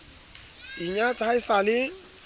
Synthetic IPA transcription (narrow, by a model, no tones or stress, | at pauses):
iɲatʰaisalɪ